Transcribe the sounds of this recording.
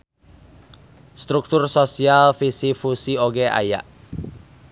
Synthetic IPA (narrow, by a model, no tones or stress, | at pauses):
st̪ɾuk̚t̪ʊrsosialfisifusioɡeʔa̰ja̰ʔ